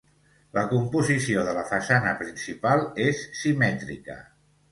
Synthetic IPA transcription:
ləkumpuzisioðələfəsanəpɾinsipalˠesːimɛt̪ɾḭkə̰

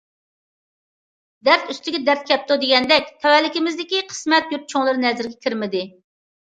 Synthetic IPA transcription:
d̪æɾt̪yst̪ɪɡʲɛd̪æɾt̪̚kʲʰɛp̚t̪od̪eɡʲɛnd̪ɛkʲt̪ʰɛwɛlːɪkʲɪmɪzd̪ɪkʲiqʰə̥smɛt̪̚jup̚t͡ʃʰoŋlˠɨɾnɛzɪɾɡʲɛkʲiɾmɪd̪ɪ

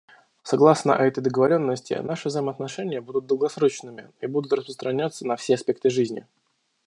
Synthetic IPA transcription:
sɐɡlˠasnə̰ʔɛt̪əjd̪əɡəvɐɾʲo̞nːəsʲtʲɪ̰naʂɨvzəjɪməɐt̪nɐʂɛnʲɪjəbud̪ʊt̪̚d̪əlˠɡɐsɾo̞t͡ɕnɨmʲɪibud̪ʊt̪rəspɾəst̪ɾɐnʲat̪sːənɐfsʲeɐspʲe̞k̚t̪ɨʐɨzʲnʲɪ̰

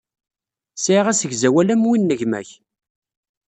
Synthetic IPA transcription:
siʁæsəʝzæwælæmwinːəʝmæ̰ç

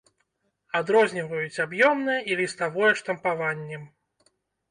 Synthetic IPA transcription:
ad̪ɾɔzʲnʲivɐjut͡sʲabjɔmnɨjɐʔilʲist̪avɔjɛʂt̪ɐmpavanʲːɛm

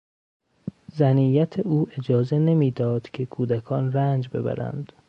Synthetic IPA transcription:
zæniːjæt̪ʰeuːʔe̞d͡ʒɒːze̞ne̞miːd̪ɒːd̪̥cʰe̞kʰuːd̪ækʰɒːnrænd͡ʒbe̞̰bæ̰ɾæ̰nd̪̥

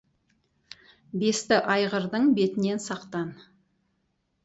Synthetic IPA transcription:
be̞st̪ɪʔɑjʁəɾd̪əɴbe̞t̪ɪne̞nsɑqt̪ɑn

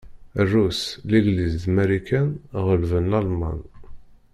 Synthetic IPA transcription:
ərːusliɡlizd̪mæɾikænʁəlvənːɑlmɑ̰n

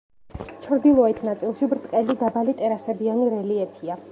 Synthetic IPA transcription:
t͡ʃʰɾd̪ilˠɔɛt̪ʰnat̪sʼilˠʃibɾt̪ʼqʼɛlid̪abalit̪ʼɛɾasɛbianiɾɛliɛpʰia

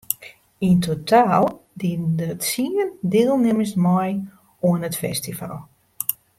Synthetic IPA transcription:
intʰotʰaːlˠdindətsiəndɪːlˠnɪməsmɔj | oənətfɛ̰stiva̰lˠ

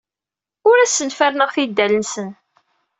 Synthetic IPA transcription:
ʊɾæsːənfæɾnəʁθid̪ːælənsən

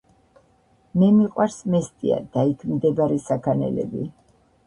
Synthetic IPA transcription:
mɛmiqʼwaɾsmɛst̪ʼia̰d̪aikʰmd̪ɛbaɾɛsakʰanɛ̰lɛ̰bi

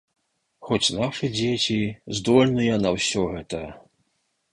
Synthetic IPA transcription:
xɔt͡sʲnaʂɨd͡zʲet͡sʲizd̪ɔlʲnɨjɐnɐwsʲɔɣɛt̪ɐ

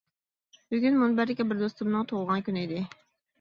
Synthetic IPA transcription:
b̥yɡʲynmunbæɾɪkʲɛbɪɾd̪ost̪umnɨŋt̪ʰoʁlˠʁɑnkʲynid̪ɪ

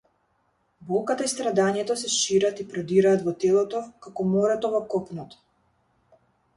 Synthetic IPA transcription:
bɔlˠkat̪aist̪ɾad̪aɲɛt̪ɔsɛʃiɾat̪ipɾɔd̪iɾaːt̪vɔt̪ɛlˠɔt̪ɔkakɔmɔɾɛt̪ɔvɔkɔpnɔt̪ɔ̥

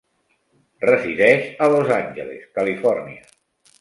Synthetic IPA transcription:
rəziðɛʃəlozanʲʒə̰lḛskəlifɔrniə

